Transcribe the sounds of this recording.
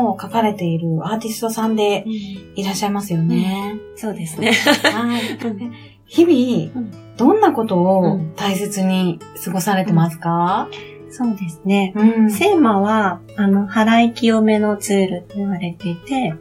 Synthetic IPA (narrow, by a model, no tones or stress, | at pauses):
okakaɾe̞t̪e̞iɾɯ̟aːt̪ʲisɨ̥t̪o̞sãnd̪e̞iɾaɕːaimasɨjo̞ne̞so̞ːd̪e̞sɨne̞haie | çibʲi | d̪̥õ̞nːako̞t̪o̞ːt̪aise̞t͡sɨɲ̟isɨɡo̞saɾe̞t̪e̞masɨ̥ka | so̞ːd̪e̞sɨne̞se̞ːmaβaː | no̞haɾaikʲio̞me̞no̞t͡sɨːɾɯ̟t̪ːe̞iβaɾe̞t̪e̞it̪e̞